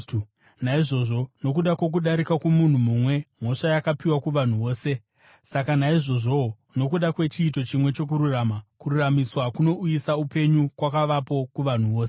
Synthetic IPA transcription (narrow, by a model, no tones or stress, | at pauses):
naiʐo̞ːʐo̞no̞kuɗakwo̞k̬uɗaɾikakumun̤umumwe̞m̤o̞ʂajakapiwakuʋan̤uʋo̞ːse̞ | sakanaiʐo̞ʐo̞ | no̞kuɗakwe̞t͡ʃiːt̬o̞t͡ʃimwe̞t͡ʃo̞k̬uɾuraːmakuɾuramiswakuno̞ʔujisaupe̞ɲukwakaʋapo̞kuʋan̤uʋoːs